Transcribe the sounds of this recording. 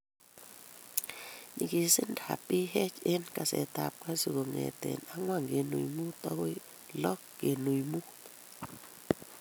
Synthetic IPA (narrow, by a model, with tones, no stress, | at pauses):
ɲi˨ki˨sɪ˦nda˨pi˦ɦɛ˦t͡ʃe˦nka˨sɛ̰˨ta˨p̚ka˦su˨ɣo˨ŋɛ̰˨t̪ɛ̰˨na˦ŋwa˦˨ŋɡe˨nṵ˨jmu˦t̪a˦ɣo˦ | lɔ˦kːe˨nu˨jmu˦t